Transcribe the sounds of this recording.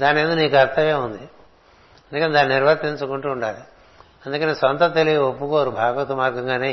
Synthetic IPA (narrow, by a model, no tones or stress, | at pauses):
d̪aːnend̪uniːkɐɾt̪ʰɐʋeːund̪i | ɐnd̪ukɐned̪aːniniɾʋɐɾt̪eɲt͡ʃukuɳʈuːɳɖaːli | ɐnd̪ukɐneːsʋɐnt̪ɐt̪elijopːukoːɐɾubʱaːɡɐt̪umaːɾɡɐŋɡaːneː